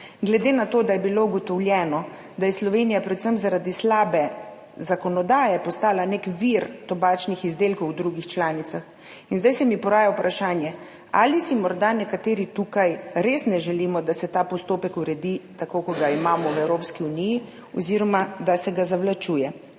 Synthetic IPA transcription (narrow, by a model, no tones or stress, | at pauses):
ɡlɛd̪enat̪oːd̪ajɛbilouɡɔt̪ɔwljɛnɔ | d̪ajɛslɔʋenijapɾɛd̪u̥səmzaɾad̪islaːbɛ | zakɔnɔd̪aːjɛpɔst̪aːlanekʋiɾt̪ɔbaːt͡ʃnixizd̪eːlkowd̪ɾuɡixt͡ʃlaːnit̪sax | inzd̪ajsɛmipɔɾaːjawpɾʔaʃaːnjɛ | a̰ːlisimɔɾd̪anɛkat̪eːɾit̪ukajɾesnɛʒɛliːmɔd̪asɛt̪aːpɔst̪oːpɛkuɾɛd̪it̪akokɔɡaimaːmɔwɛwɾoːpskiuniji | ɔziɾɔmad̪asɛɡazawlat͡ʃuːjɛ